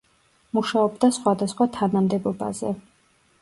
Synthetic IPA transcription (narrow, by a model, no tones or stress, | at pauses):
muʃaɔbd̪asχwad̪asχwat̪ʰanamd̪ɛbɔba̰zɛ̰